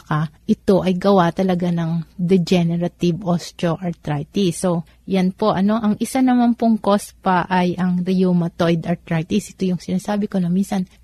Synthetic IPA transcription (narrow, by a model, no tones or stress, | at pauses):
kaʔɪt̪o̞ʔɐjɡɐwat̪ɐlɐɡanɐŋd̪ɛd͡ʒɛnɛɾɐt̪ɪbʔost̪oʔɐɹt̪ɾajt̪iso | janpo̞ʔɐno̞ʔɐŋʔɪsanɐmanpoŋko̞spɐʔɐjʔɐŋɾɪjumɐt̪ojd̪ɐɾt̪ɾajt̪isʔɛt̪o̞jʊŋsɪnaːsaːbɪkonominsɐn